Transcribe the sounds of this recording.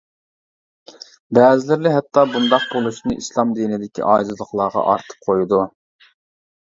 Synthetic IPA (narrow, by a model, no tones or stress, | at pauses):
bɛːzɪlɪɾlɪɦɛt̪ʰːɑbund̪ɑq̚bolˠuʃnɨʔislˠɑmd̪inɪd̪ɪkʲḭʔɑːzɨlˠəχlˠɑʁɑ̰ʔɑ̰ɾt̪ʰɨ̥p̚qʰojud̪u